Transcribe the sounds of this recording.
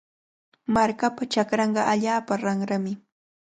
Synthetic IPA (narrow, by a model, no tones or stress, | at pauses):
maɾkapat͡ʃakɾɑɴɢɑʔaʎaːpaɾaŋɾamɪ